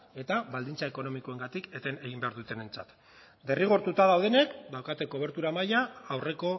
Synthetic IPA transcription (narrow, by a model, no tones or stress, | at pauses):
e̞t̪aβald̪int͡saeko̞no̞miko̞e̞ŋɡat̪iket̪e̞ne̞ɣ̞imbe̞aɾðut̪e̞nent͡sa̰t̪ | d̪e̞riɣ̞o̞ɾt̪ut̪aðawð̞e̞ne̞kd̪awkat̪e̞ko̞β̞e̞ɾt̪uɾamajaːwre̞ko̞